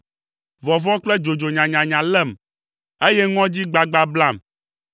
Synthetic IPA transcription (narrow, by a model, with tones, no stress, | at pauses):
vɔ˨vɔ̃˦k͡plɛ˦d͡ʒo˨d͡ʒo˨ɲã˨ɲã˨ɲã˨lɛ˦˨m | e˦jɛ˦ŋɔ̃˦d͡ʑi˦ɡ͡ba˨ɡ͡ba˦bla˦˨m